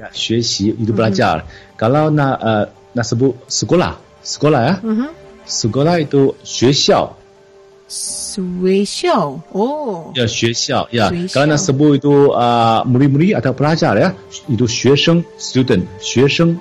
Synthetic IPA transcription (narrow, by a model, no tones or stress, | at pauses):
jaɕɥɛɕiit̪upat͡ɕja̰lə̰kalanaʔə | nasɨp̬us̩kwɔla̰ | sɨ̥kʷɔlaja | s̩kɔlait̪uɕɥɛɕjɑʊ | weɕjɑojaɕɥɛɕjɑʊjaalanasɨp̬uit̪uəmulimuliat̪ʰaʊpəlat͡ɕjaləja | it̪uɕɥɛʂəŋst̪jud̪ənɕɥɛʂəŋ